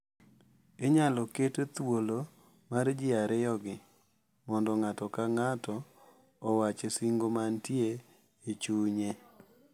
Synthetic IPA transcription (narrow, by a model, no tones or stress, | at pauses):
eɲalɔketet̪wolo | mard͡ʒɪaɾɛjɔɡɪ | mɔndɔŋatɔkaŋatɔː | wat͡ʃesiŋɡomantjeː | t͡ʃuɲe